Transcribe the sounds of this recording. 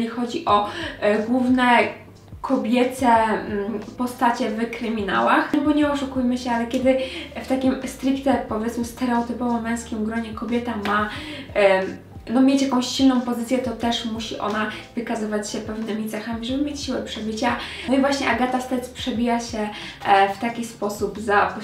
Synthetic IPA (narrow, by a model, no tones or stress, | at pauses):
ixɔd͡ʑiʔɔɡwuvnɛ | kʰɔbʲjɛt̪ɛ | pɔst̪at͡ɕɛvkɾɘmʲina̰waxbɔɲɛɔʂukujmɘɕɛalɛkʲɛd̪ɘft̪akʲimst̪ɾikt̪ɛpɔvʲjɛt̪smɘst̪ɛɾɛɔt̪ɘpɔvɔmːɛ̃w̃skʲimɡɾɔɲɛkɔbʲjɛt̪ama | nɔmʲjet͡ɕjakɔ̃w̃ɕɕilnɔ̃w̃pɔzɘt̪sʲjɛt̪ɔt̪ɛʂmuɕiʔɔ̰navɘkazɘvat͡ɕɕɛpɛvnɘmʲit̪sɛxamʲiʐɛbɘmʲjet͡ɕɕiwɛpʂɛbɘt͡ɕa | ɔivwaɕɲɛʔaɡat̪ast̪ɛspʂɛbʲijaɕɛft̪akʲispɔsubza